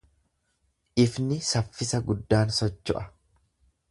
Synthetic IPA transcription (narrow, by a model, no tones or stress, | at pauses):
ʔɪfnɪsɐfːɪsɐɡʊd̪ːaːnsɔt͡ʃːɔʔɐ̥